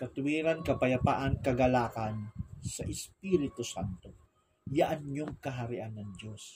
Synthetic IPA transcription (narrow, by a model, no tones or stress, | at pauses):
kɐt̪ʊwiːɾankɐpɐjɐpa̰ːʔankɐɡɐlaːkansɐʔɪspiːɾɪt̪osant̪o̞ | jaʔɐɲɲoŋkɐɦɐɾɪʔanːɐŋdos